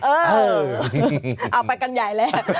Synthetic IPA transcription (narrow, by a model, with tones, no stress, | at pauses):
ʔɤː˧ʔɤː˧ | ʔa˧˩wpa˧jka˧nja˨˩jlɛː˦˥